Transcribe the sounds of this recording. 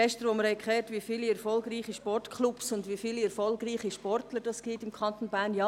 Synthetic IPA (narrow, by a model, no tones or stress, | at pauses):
ɛʃtəɾʋoməɾhɛɪkʰlɛːɾtʋiːfiːliɛɾfɔlɡriːχiʃpɔrtkʰχlupsʊndʋiːfiːliɛɾfɔlɡriːχiʃpɔrtləɾd̥ɑsɡ̥iːtɪmkʰɑnt̪onbæːnjɑː